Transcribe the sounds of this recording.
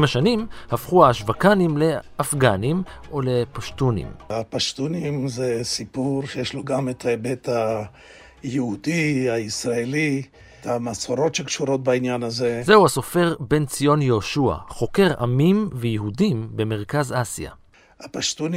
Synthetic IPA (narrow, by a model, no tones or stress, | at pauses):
mhaʃanimhafχuaːʃvakanimle̞afɡanimʔole̞paʃtunḭmapaʃtunimzesipuɾʃejeʃloɡametʰaebet̪a | jehudiaisɾaeli | tamasoɾo̞tʃekʃuɾo̞t̪̚bainjanazezeuhaso̞fe̞ʁbe̞nt͡sijo̞njeoʃua̰χo̞ke̞ʁʔa̰mimvejeɦudimbe̞me̞ʁ̞kazasija̰ | apaʃtuni